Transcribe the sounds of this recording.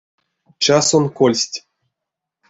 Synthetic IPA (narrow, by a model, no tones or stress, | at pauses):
t͡ɕɑsonkolʲsʲtʲ